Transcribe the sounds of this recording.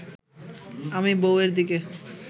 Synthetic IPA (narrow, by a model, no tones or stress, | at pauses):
amiboweɾd̪ike